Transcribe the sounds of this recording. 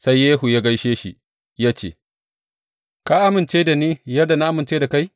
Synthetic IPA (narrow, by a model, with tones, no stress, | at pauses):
sa˦jːeː˦ɦu˨ja˦ɡa˦jʃeː˦ʃḭ˨ | jaː˦t͡ʃḛː˨ | ka˦ʔa˦mɪ˨nt͡ʃeː˦da˨niː˦jɐ˦dːa˨na˦ʔa˦mɪ˨nt͡ʃeː˦da˨ka˦j